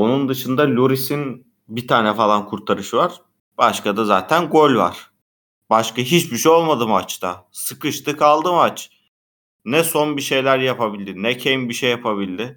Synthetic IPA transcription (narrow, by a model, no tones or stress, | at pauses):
onund̪ɯʃɯnd̪alʲuɾisin | bit̪ʰaːnɛfalˠankʰuɾt̪ʰaɾɯʃɯvaɾ̥ | b̥aʃkad̪azaːt̪ʰænɡolʲva̰ɾ̥ | b̥aʃkaɦit͡ʃbiʃejo̞lˠmad̪ɯmat͡ʃt̪ʰasɯkɯʃt̪ʰɯkʰalˠd̪ɯmat͡ʃ | nɛso̞nbiʃe̞jlʲæɾjapabilʲd̪ɪnɛcʰejinbiʃejːapʰaβilʲd̪ɪ